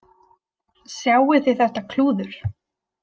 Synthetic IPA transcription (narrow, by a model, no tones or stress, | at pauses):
sjaːwɪθɪjθɛht̪akʰluːðʏɾ̥